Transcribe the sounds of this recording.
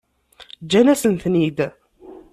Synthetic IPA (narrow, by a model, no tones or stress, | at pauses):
d͡ʒːænæsənθnid̪